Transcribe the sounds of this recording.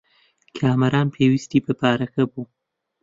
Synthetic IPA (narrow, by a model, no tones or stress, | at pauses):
kʰaːmɐɾʔaːnpʰeːwist̪iːbɨpʰaːɾɐkʰɐbuː